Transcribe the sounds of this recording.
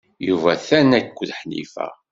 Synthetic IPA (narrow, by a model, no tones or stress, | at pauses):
juvæθænækʷːðħnḭfæ̰